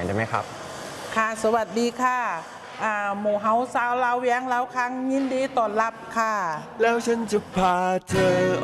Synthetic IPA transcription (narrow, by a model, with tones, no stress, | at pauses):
daː˧˩ma˦˥jkʰa̰˦˥p̚ | kʰaː˧˩so˧˦wa˨˧˩t̪̚diː˨˦kʰaː˧˥˩ | ʔaː˧˩muː˨˩ɦa˧˥wsaː˧˥wlaː˧˥wwi˧˥˦ŋlaː˧˥˩wkʰa˧˥˨ŋɲiː˧˥˨ndiː˧˦t̪ɔː˨˩nla˧˩p̚kʰaː˧˩ | lɛː˧˥wt͡ɕʰa˧˥nt͡ɕu˧˩pʰaː˧t͡ɕʰɤː˧